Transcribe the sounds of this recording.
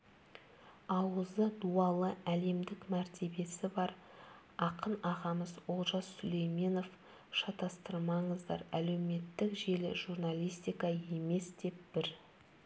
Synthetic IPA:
ɑwəzəd̪uɑlˠəʔæle̞md̪ɪkmæɾt̪ʰe̞be̞sɪbɑɾ | ɑqənɑʁɑməzolˠʒɑssʏle̞jme̞no̞f | ʃɑt̪ɑst̪əɾmɑɴəzd̪ɑɾæle̞wme̞t̪ːɪkʒe̞lɪ̰ʒurnalʲijst̪ijkɑe̞me̞sd̪e̞p̚b̥ɪɾ

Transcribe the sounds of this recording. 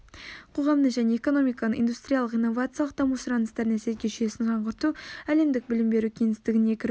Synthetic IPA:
qʰo̞ʁɑmnəɴʒæne̞eko̞no̞mijkɑnəʔḭnd̪ust̪ɾʲijalˠəqinːo̞vat̪sɨjalˠəq̚d̪ɑmusɾɑnəst̪ɑɾd̪næsezɡʲeʒʏje̞sɪnʒɑɴʁəɾt̪uæle̞md̪ɪk̚bɪlɪmbe̞ɾukʲʰe̞ŋɪst̪ɪɡʲɪnekʲɪɾ

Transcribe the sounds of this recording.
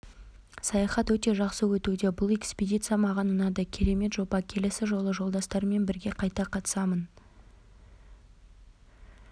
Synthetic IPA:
sɑjɑχɑt̪wɵt̪e̞ʒɑqsəwɵt̪ud̪e̞bʊlˠe̞kspʲed̪ʲit̪sɨjamɑʁɑnmənɑd̪ɑkʲʰe̞ɾe̞me̞t̪ʒo̞bɑkʲʰe̞lɪsɪʒo̞lˠəʒolˠd̪ɑst̪ɑɾəme̞nbɪɾɡʲe̞qʰɑjt̪ɑqʰɑt̪ə̥sɑmən

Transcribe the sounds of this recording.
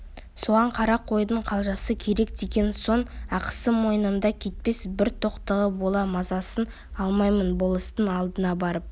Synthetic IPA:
so̞ʁɑɴqʰɑɾɑqʰo̞jd̪əɴqʰɑlˠʒɑsəkʲʰe̞ɾe̞kd̪e̞ɡʲe̞nso̞ɴɑqə̥səmo̞jənəmd̪ɑkʲʰe̞t̪̚pe̞sbɪɾt̪ʰo̞qt̪əʁəbo̞lˠɑmɑzɑsən | ɑlˠmɑjmənbo̞lˠəst̪ənɑlˠd̪ənɑbɑɾəp̚

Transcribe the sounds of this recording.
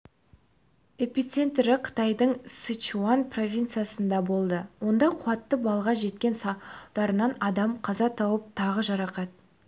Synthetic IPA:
e̞pʲit̪se̞nt̪ɾɪqʰə̥t̪ɑjd̪əɴsit͡ʃuanpʰro̞vʲijnt̪sɨjasənd̪ɑbo̞lˠd̪əwo̞nd̪ɑqʰʊɑt̪ːəbɑlˠəʁɑʒe̞t̪̚kʲe̞nsɑd̪ɑɾənɑnɑd̪ɑmqʰɑzɑt̪ʰɑwəp̚t̪ʰɑʁəʒɑɾɑqɑt̪̚

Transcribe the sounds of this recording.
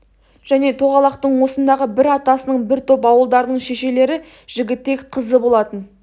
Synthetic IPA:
ʒ̥æne̞t̪ʰo̞ʁɑlˠɑqt̪əɴwo̞sənd̪ɑʁəbɪɾɑt̪ɑsənəɴbɪɾt̪ʰøpɑwəlˠd̪ɑɾd̪əɴʃe̞ʃe̞le̞ɾɪ | ʒ̥ɪɡʲɪt̪ːe̞kʲqʰəzəbo̞lˠɑt̪ən

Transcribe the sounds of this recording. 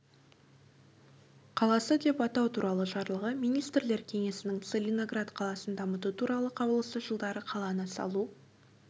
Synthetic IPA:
qʰɑlˠɑsəd̪e̞pɑt̪ɑwt̪ʰuɾʔɑlˠəʒɑɾlˠəʁəmijnijst̪ɾle̞ɾkʲʰe̞ŋe̞sɪnɪŋt̪selʲino̞ɡrat̪qʰɑlˠɑsənd̪ɑmət̪ut̪ʰuɾɑlˠəqʰɑbəlˠəst̪əʒəlˠd̪ɑɾəqʰɑlˠɑnəsɑ̰lˠu

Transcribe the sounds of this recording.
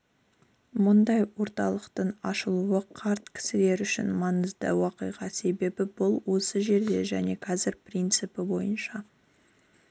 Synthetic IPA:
mʊnd̪ɑjwo̞ɾt̪ɑlˠəqt̪əɴɑʃəlˠuəqʰɑɾt̪kʲʰɪ̥sɪle̞ɾʏʃɪ̰nmɑnəzd̪ə̰wɑqəjʁɑse̞be̞bɪbʊlˠwo̞səʒe̞ɾd̪e̞̰ʒæne̞kʰɑzɪɾprijnt̪sɨpɪbo̞jənʃɑ

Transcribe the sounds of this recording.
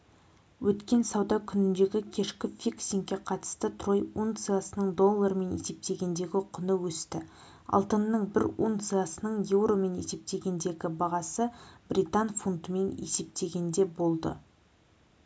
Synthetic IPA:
wʔɵt̪kʲe̞nsɑwd̪ɑkʲʰʏnɪnd̪e̞ɡʲɪkʲʰe̞ʃkʲɪfʲiksʲiŋkʲːe̞qʰɑt̪ə̥st̪ət̪ʰro̞junt̪sɨjasənəɴd̪o̞lˠːaɾəme̞ne̞̰se̞p̚t̪e̞ɡʲe̞nd̪e̞ɡʲɪqʰʊnəwɵst̪ɪ | ɑ̰lˠt̪ənːəɴbɪɾunt̪sɨjasənəɴje̞wɾo̞me̞ne̞̰se̞p̚t̪e̞ɡʲe̞nd̪e̞ɡʲɪbɑʁɑsəb̥ɾʲit̪anfunt̪əme̞ne̞̰se̞p̚t̪e̞ɡʲe̞nd̪e̞bo̞lˠd̪ə̰

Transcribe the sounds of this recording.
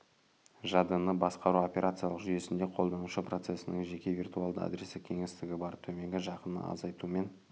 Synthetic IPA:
ʒɑd̪ənəbɑsqɑɾuo̞pʲe̞ɾʔat̪sijalˠəqʒʏje̞sɪnd̪e̞qʰo̞lˠd̪ɑnuʃəpro̞t̪se̞sɪnɪŋʒe̞kʲe̞vʲirt̪ualˠd̪əæ̰d̪ɾe̞sɪkʲʰeŋest̪ɪɡʲɪbɑɾt̪ʰɵme̞ŋɡʲɪʒɑqənə̰ɑ̰zɑjt̪ume̞n

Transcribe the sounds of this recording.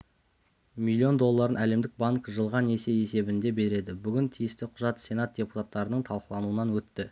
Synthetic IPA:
mʲilʲːio̞nd̪o̞lˠːɑɾənæle̞md̪ɪk̚baŋkʒəlˠʁɑne̞se̞je̞se̞bɪnd̪e̞be̞ɾe̞d̪ɪbʏɡʲɪnt̪ʰijɪst̪ɪqʰʊʒɑt̪sʲe̞nat̪̚d̥ʲe̞pu̥t̪at̪ːɑɾənəɴt̪ʰɑlˠqəlˠɑnuwənɑnwɵt̪ːɪ

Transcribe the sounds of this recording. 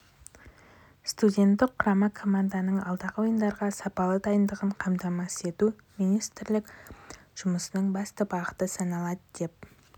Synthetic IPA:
st̪udʲe̞nt̪ːɪqqʰːʊɾɑmɑkʰo̞mand̪anəɴɑ̰lˠd̪ɑʁəwo̞jənd̪ɑɾʁɑsɑpɑlˠəd̪ɑjənd̪əʁəɴqʰɑmt̪ɑmɑse̞t̪u | mijnist̪ɪɾlɪk | ʒ̥ʊməsənəɴbɑst̪əbɑqə̥t̪əsɑnɑlˠɑd̪əd̪̥e̞p̚

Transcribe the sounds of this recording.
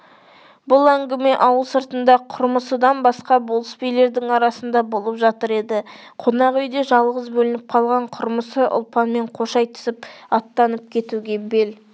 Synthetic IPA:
bʊlˠæŋɡʲɪme̞ʔɑwəlˠsəɾt̪ənd̪ɑqʰʊɾməsəd̪ɑnbɑsqɑbo̞lˠəspejle̞ɾd̪ɪŋɑɾɑsənd̪ɑbo̞lˠəpʒɑt̪əɾe̞d̪ɪ | qʰo̞nɑʁʏjd̪e̞ʒɑlˠʁəzbɵlɪnɪp̚qʰɑlˠʁɑɴqʰʊɾməsəʔʊ̰lˠpɑnme̞ɴqʰo̞ʃɑjt̪ʰɪ̥sɪpɑt̪ːɑnəp̚kʲʰe̞t̪uɡʲe̞be̞l

